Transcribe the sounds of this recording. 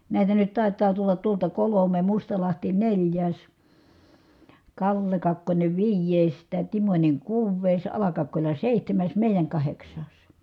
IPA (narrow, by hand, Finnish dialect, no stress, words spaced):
næˑitæ nyt tɑˑi̯tˑɑː tulːɑt tuoltɑ kolome mustɑlɑhti nelʲjæːs kɑlːe kɑkːonʲe ʋiːjˑeˑi̯s tæˑ timonʲe kuːʋˑeˑi̯s ɑlɑkɑkːolʲɑ seˑihtæmæs meˑijæŋ kɑheksˑɑːs